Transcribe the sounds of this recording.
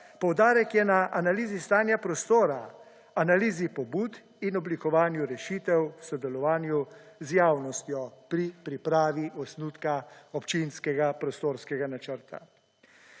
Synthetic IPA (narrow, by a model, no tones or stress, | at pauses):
pɔwd̪aːɾɛkjɛnaʔanaliːzist̪aːnjapɾɔst̪oːɾa | analiːzipɔbuːt̪ | inɔblikɔʋaːnjuɾɛʃiːt̪ɛwsɔd̪ɛlɔʋaːnjuzjaːwnɔst̪jɔpɾipɾipɾaːʋiʔɔsnuːt̪kaɔpt͡ʃinskɛɡapɾɔst̪oːɾskɛɡanat͡ʃəɾt̪a̰